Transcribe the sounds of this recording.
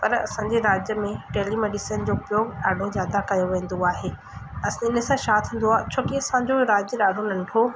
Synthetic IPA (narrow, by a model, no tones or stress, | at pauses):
pɐɾɐ̰sãːɲd͡ʑeɾaːd͡ʑjəmẽʈeːlimeːɖiːsən̆d͡ʑoːʊpjoːɡɖaːɖʱozjaːd̪akɐjoʋẽːn̆d̪oaːɦeː | ɐsãɪnəsãʃaːt̪ʰũːn̆d̪oaːɦt͡ɕʰoːkiɐsãːɲd͡ʑoɾaːd͡ʑəɗaːɖʱonɐ̃ɳʈʰo